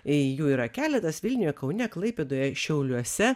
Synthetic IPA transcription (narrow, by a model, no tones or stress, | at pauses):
ɪjuːiːɾɐkʲæːlʲɛt̪ɐsʋʲɪlʲnʲʊjokɐʊnʲɛklˠɐɪpʲeːd̪oːjɛʃʲɛʊlʲuɔsʲɛ